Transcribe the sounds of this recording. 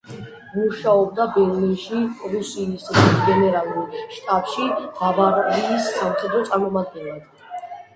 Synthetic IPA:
muʃaɔb̚d̪abɛɾlinʃiɾusiːsɡɛnɛɾalˠuɾʃt̪ʼapʼʃidavaɾiːsːamχɛd̪ɾɔt̪sʼaɾmɔmad̪̚ɡɛnlɛd

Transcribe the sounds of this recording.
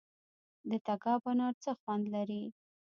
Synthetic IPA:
d̪ət̪aɡɑbanɑɾt͡səxwand̪laɾi

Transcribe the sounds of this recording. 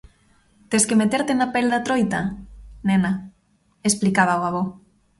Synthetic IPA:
t̪eskemet̪eɾt̪enapeld̪at̪ɾojt̪anena | esplikaβ̞aoaβ̞o

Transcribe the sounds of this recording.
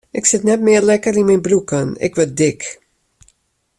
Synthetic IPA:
ɪksɪtnɛtmɪːrlɛkəɾinmɛjnbɾukənɪ̰kʋɛt̚dɪk

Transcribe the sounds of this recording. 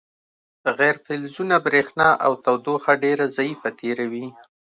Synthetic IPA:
ɣɛɾfɪlzunabɾexnɑʔa̰wt̪awd̪oxaɖeɾazaifat̪ʰeɾawi

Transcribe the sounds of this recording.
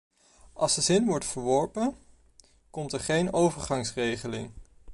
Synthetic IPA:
ɑlˠsdəzɪnʋɔɹtfəɹʋɔɹpən | kɔmtəɹχejnowvəɹχɑŋsrejχəlɪ̰ŋ

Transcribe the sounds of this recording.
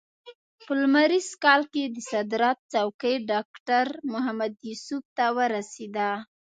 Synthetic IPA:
pəlmaɾizkɑlked̪əsad̪ɾɑt̪̚t͡sawkəjɖɑkʈaɾmʊɦamad̪jusub̚t̪awəɾased̪a

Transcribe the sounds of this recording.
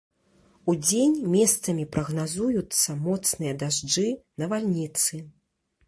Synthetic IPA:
ud͡zʲenʲmʲɛst̪sɐmʲipɾɐɣnazujut̪sːɐmɔt̪snɨjɐd̪aʐd͡ʐɨnɐvalʲnʲit̪sɨ

